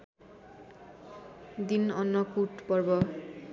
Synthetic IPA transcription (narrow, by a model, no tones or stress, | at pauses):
d̪inɔnːɔkuʈpɔɹbɔ